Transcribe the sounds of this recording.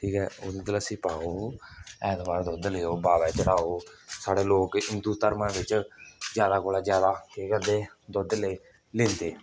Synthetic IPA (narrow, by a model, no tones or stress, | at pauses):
ʈʰiːkɛːoːd̪eːd̪laːsiːpaːoːɛːt̪baːɾd̪ɔːd̪leːoːbaːʋɛːt͡ʃəɽaːoːsaːɽeːloːkɪnd̪uːt̪əɾmãːʋɪt͡ʃzjaːd̪aːkoːlaːd͡ʒjaːd̪aːeːkəd̪eːd̪ɔːd̪le | lẽːnd̪eː